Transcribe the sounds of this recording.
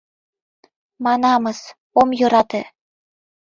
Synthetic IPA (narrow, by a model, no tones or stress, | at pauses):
mɑnɑmɤ̆s | omjoɾɑt̪ĕ